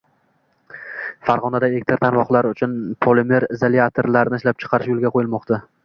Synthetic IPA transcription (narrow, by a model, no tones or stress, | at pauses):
faɾʁɒnad̪aelek̚ʲt̪ʰɪɾt̪ʰanvɒχlˠaɾʊt͡ʃʰʊnpʰolɪmeɾɪzeliat̪ʰoɾlaɾnɪʃlap̚t͡ʃʰɨ̥qʰɑɾɪʃjolˠɡʲaqʰojɪlmɒqt̪ʰa